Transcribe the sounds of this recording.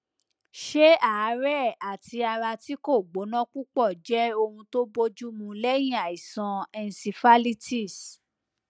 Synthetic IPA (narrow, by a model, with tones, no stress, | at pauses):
ʃe˦a˦˨˦ɾɛ˦˨a˨ti˧a˧ɾa˧ti˦ko˦˨ɡ͡bo˨˦nã˦k͡pu˦k͡pɔ˦˨d͡ʒɛ˦o˧hũ˧to˦bo˧˦d͡ʒu˦mũ˧lɛ˦j̃ĩ˦a˨i˨sã˧ɛ˧n˨si˧fa˦li˦ti˦˨s